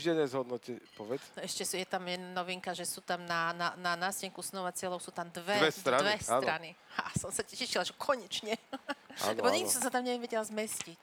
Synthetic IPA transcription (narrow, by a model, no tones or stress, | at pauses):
ʒd̪ɛɲɛzɦɔd̪nɔcɛpɔʋɛt͡sɛʃcɛsjɛt̪amjɛanɔʋiŋkaʒɛsut̪amnanananasɛŋkusnɔʋat͡sɪɛlɔʊsut̪amd̪ʋɛɛst̪ɾaʋɛsat̪ːɾaniha̰sɔmsacɛʃilaʒɛkʰɔɲɛt͡ʃɲɛa̰lɛbɔɲɛɡd̪isɔmsat̪amɲɛʋɛ̃ʋɛɟɛlazmɛscic